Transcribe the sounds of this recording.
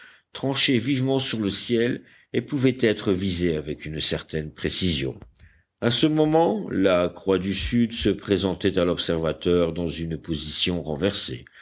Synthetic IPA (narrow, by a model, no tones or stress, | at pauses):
t̪χɑ̃ʃɛvivmɑ̃syʁləsjɛl | epuvɛt̪ɛt̪χəvizeavɛkynsɛʁt̪ɛnpχesizjɔ̰̃ | asəmɔmɑ̃lakχwad̪ysyd̪səpχezɑ̃t̪ɛt̪alɔpsɛʁvat̪œʁd̪ɑ̃zynpozisjɔ̃ʁɑ̃vɛʁsḛ